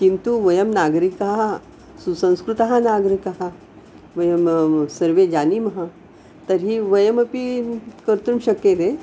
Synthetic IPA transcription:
kint̪uʋəjəmnaɡɾikaɦa | susə̃w̃skɾut̪əɦanaɡɾikaɦa | ʋəjəmsəɾʋed͡ʑanimɦa | t̪əɾɦiːʋəjəməpikəɾt̪uːnɕəkːet̪e

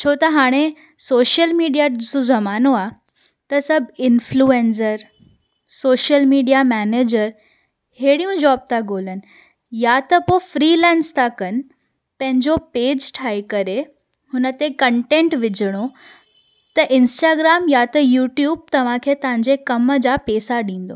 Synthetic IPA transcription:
t͡ɕʰot̪ɐɦaːɽ̃e | soːʃəlmiːɖijad͡ʑɐsozɐmaːnoa | t̪ɐsɐbʱɪnfʰlueːns̬əɾ | soːʃəlmiːɖijamɛːneːd͡ʑəɾ | heːɽijũd͡ʑɔːb̚t̪aɡoːlən̆ | jat̪ɐpofɾiːlɛ̃ːnst̪ʰakɐnɪ̆ | pɐ̃ɦɪ̃ɲd͡ʑopeːd͡ʑʈʰaːikɐɾe | hʊnət̪ekɐ̃ɳʈẽːɳʈʋɪd͡ʑʱəɽ̃o | t̪ɐʔɪ̃nsʈaːɡɾaːmjat̪ɐjuːʈjuːb̚t̪ɐʋ̤ãkʰet̪ɐʋ̤ãɲd͡ʑekɐməd͡ʑapeːsaɗĩːn̆d̪o̰ː

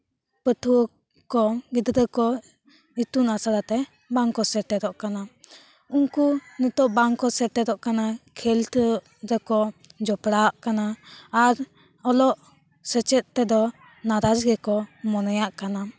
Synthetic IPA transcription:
pət̪ʰu | kɔɡid̪d̪əkɔ | it̪unasaɾat̪ɛ | baŋkɔsɛʈɛɾɔʔkana | uŋkunut̪ɔʔbaŋkɔsɛʈɛɾɔʔkanakʰɛlt̪ | ɾəkɔd͡ʒɔpɽaʔkanaːɾ | ɔlɔʔ | sɛt͡ʃɛt̪̚t̪ɛd̪ɔ | naɾad͡ʒɡɛkɔmɔnɔjaʔkana

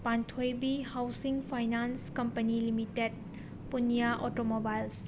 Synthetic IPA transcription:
pantʰojbihawsiŋpʰajnanskɐmpɐnilimited̚ | punijaʔotomobajls

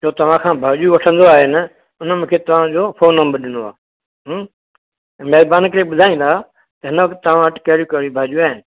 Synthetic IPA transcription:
t͡ʃoːt̪ɐʋ̤ãːkʰãːbʱaːʄuʋɐʈʰə̃nd̪oaːɦenə | ʊnəmɪ̃kʰeːt̪ɐʋ̤ãd͡ʑoːfʰoːnːəmbəɾɗɪnoa̰ː | ɦ | mɛːzbaːnkəɾeːɓʊd̪ʱaːĩːnd̪aː | t̪ɐɦɪnəʋɐkt̪ːɐʋ̤ãʋəʈkɐɦɾukəɾibʱaːd͡ʒuaːɦɪnɪ̆

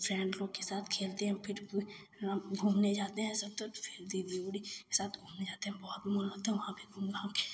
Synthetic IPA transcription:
pʰɾɛ̃ːɳɖloːɡkesaːt̪ʰkʰeːlt̪eɦɛ̃pʰɪɾ | ɡʱuːmned͡ʒaːt̪eɦɛ̃sɐb̚t̪opʰeːld̪ib̪iəɽike̥saːt̪ʰɡʱuːmned͡ʒaːt̪eɦɛ̃bɔːt̪mʊlot̪ɦɛ̃ʋɐɦãbʱiɡʱũːmlake

